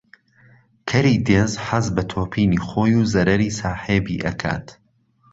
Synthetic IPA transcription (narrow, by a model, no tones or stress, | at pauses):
kʰɐɾiːd̪eːzħɐzbɐt̪ʰoːpʰiːniːχoːjuːzɐɾɐɾiːsaːħeːbiːʔɐ̰kʰa̰ːt̪